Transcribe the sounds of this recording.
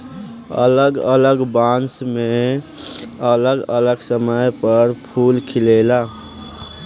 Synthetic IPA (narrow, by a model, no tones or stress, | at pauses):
ə̰ləɡə̰ləɡbãnsmẽ | ələɡələɡsəməjpəɾpʰuːlkʰɪleːla